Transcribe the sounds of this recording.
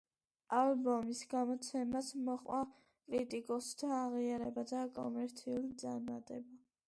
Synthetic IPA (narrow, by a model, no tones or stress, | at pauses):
albɔmisɡamɔt̪sʰɛmasmɔχʼwa | kʼɾit̪ʼikʼɔst̪ʰaːʁiaɾɛbad̪akʼɔ̰mɛɾt̪sʰiulid̪zʼaɾmat̪ʼɛba